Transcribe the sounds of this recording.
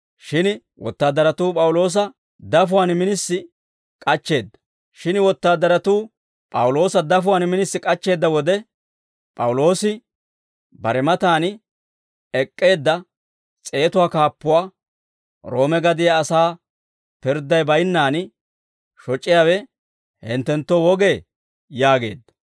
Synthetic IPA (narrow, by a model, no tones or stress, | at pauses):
ʃɪn | wɔ̰t̪ːaːd̪ːɐɾɐt̪uːpʼɐwʊlo̞ːs̬ɐ | d̪ɐfʊwaːnmɪnɪsːɪ | kʼɐt͡ʃːe̞ːd̪ːɐ̥ | ʃɪnwɔt̪ːaːd̪ːɐɾɐt̪uː | pʼɐwʊlo̞ːsɐd̪ɐfʊwaːnmɪnɪsːɪkʼɐt͡ʃːe̞ːd̪ːɐwɔd̪ɛ | pʼɐwʊlo̞ːsɪ | bɐɾɛmɐt̪aːn | ɛkʼːe̞ːd̪ːɐ | t͡sʼe̞ːt̪ʊwaːkaːpːʊwaː | ɾo̞ːmɛɡɐd̪ɪjaːsaː | pɪɾd̪ːɐjbɐjnːaːn | ʃɔt͡ʃʼːɪjaːwɛ | hɛnt̪ːɛnt̪ːowɔɡe̞ː | jaːɡe̞̰ːd̪ːɐ̥